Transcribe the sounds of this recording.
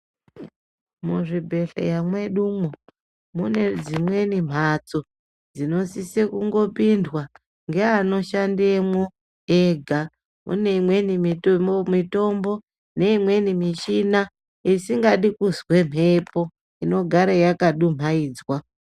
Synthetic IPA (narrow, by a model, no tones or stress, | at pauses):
muʐibʱe̞ɬḛjamwe̞ɗumo | mune̞d͡zimwe̞nim̤at͡so | d͡zino̞sisekuŋɡo̞pindwa | ŋɡeano̞ʃandemwo | eɡʱa | mʔṵne̞imwe̞nimitomito̞mbo̞ | ne̞imwe̞nimiʃina | isiŋɡaɗikuzwe̞m̤ʱe̞po̞ | ino̞ɡʱaɾajakaɗum̤aiːd͡zwa